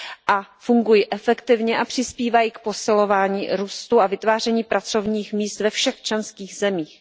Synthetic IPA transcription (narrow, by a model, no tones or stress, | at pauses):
ʔafuŋɡujiʔɛfɛkt̪ɪvɲɛʔapr̝̥ɪspiːvajikpo̞sɪlo̞vaːɲḭːɾuːst̪uavɪt̪vaːr̝ɛɲiːpɾat͡so̞vɲiːxmiːst̪vɛfʃɛxt͡ʃɛnskiːɣzɛmiːx